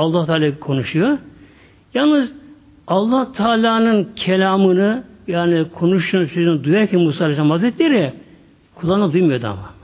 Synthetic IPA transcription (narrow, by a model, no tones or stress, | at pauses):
ɑlˠːaht̪ʰaːlʲaːkʰo̞nuʃujoɾ | jalˠnɯz | ɑlˠːaht̪ʰaːlʲaːnɯncʰelʲaːmɯnɯjaːnikʰo̞nuʃuːnsøzynd̪ujaɾcʰɛnmusaːlʲad͡ʒamazɾɛt̪lʲeɾi | kʰulˠːanad̪ujmɯjod̪a̰ma